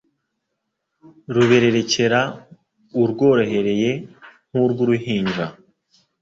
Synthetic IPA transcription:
ɾuβe̞ɾe̞ɾe̞ce̞ɾa | uɾɡo̞ːɾoɦe̞ɾe̞je̞ŋ̥uɾɡuɾuɦiːɲd͡ʒa

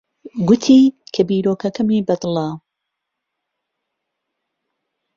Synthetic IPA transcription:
ɡʊt̪ʰiːkʰɐbiːɾoːkɐkɐmiːbɐd̪lˠɐ

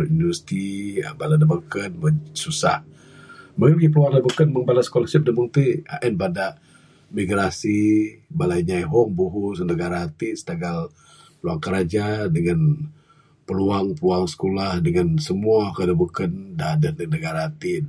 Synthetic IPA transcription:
invəst̪ɾiə̰baladəbəkənməsusa̰h | məŋəbəɡip̬əluaŋlabəkənməŋbalasə̥kolahsəp̚dəbəŋt̪uha̰ʔɛnbadaʔ | miɡɾasibalajɲajɦɔŋbuɦusənəɡaɾaːt̪isə̥t̪aɡal | pəluaŋkəɾad͡ʒadəŋan | pəluaŋpəluaŋsə̥kolahdəŋansəmuakədabukəndadədənəɡaɾaːt̪i

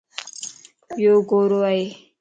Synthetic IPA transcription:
joɡoːɾoae

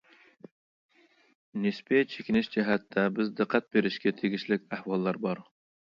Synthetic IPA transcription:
nɪspɪt͡ʃʰekʲɪnɪʃd͡ʒɛɦɛt̪ʰːɛbɪzd̪ɨqʰːæt̪̚beɾɪʃkʲɛt̪ʰeɡʲiʃlɪkʲæhwɑlˠːɑɾbɑɾ

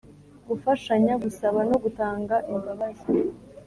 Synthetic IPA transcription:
ɡufaʃaɲaɡusaβano̞ɡutaːŋɡaʔimbaβaza

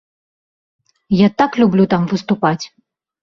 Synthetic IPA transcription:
jat̪aklʲublʲut̪amvɨst̪upat͡sʲ

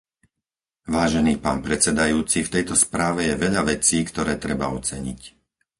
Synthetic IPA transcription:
ʋaːʒɛniːpa̰ːnpɾɛt͡sɛd̪ajuːt͡sift̪ɛjt̪ɔspɾaːʋɛjɛʋɛʎaʋɛt͡siːkt̪ɔɾɛːt̪ɾɛba̰ɔt͡sɛɲic

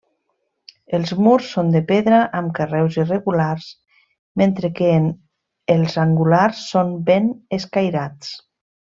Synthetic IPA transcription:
elˠzmuɾsːond̪epeðɾaʔamkərɛwzireɣularz | ment̪ɾeken | elˠzaŋɡulaɾsːonbeneskajɾat͡s

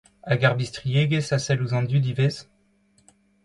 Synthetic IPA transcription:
aɡaʁbist̪χijeɡesasɛluzɑ̃nd̪yd̪ivez

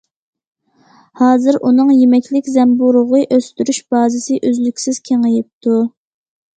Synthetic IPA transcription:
hɑːzɨɾʔunɨŋjemɛkʲlɪkʲzɛmbuɾʊʁəʔøst̪yɾyʃb̥ɑːzɪsɪʔøzlykʲsɪz̥kʲʰeŋəjɪp̚t̪ʰu

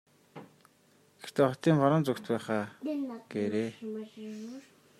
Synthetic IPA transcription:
ɡ̥er̥t̪eːχɔt̪iːmfɔɾɞ̆nt͡sukt̪pæːχaːɡ̥eːɾeː

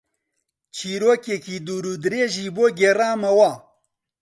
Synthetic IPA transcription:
t͡ʃiːɾoːkeːkiːd̪uːɾuːd̪ɨɾeːʒiːboːɡeːraːmɐwaː

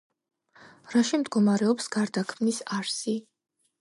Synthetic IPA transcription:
ɾaʃimd̪ɡɔmaɾɛɔpsɡ̥aɾd̪akʰmnisaɾsi

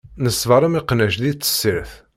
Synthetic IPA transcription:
nəsːvəɾˤæmiqnæʃðit͡sːə̥sːiɾθ

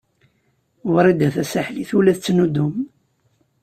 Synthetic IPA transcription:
wɾˤid̪æθæsaħliθulæθət͡sːnud̪um

